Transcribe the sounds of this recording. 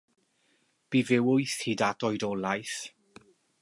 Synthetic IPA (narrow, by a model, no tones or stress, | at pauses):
b̥ivɪwʊjθhidadɔjdɔlˠajθ